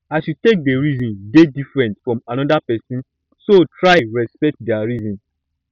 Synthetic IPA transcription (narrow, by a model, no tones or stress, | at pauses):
aɪʃutek̚deɹizɔ̃ndedifɹɛ̃ntfɹɔ̃manɔdapɛsĩn | sotʰɹaɹɛspɛk̚tdɛaɹizɔ̃n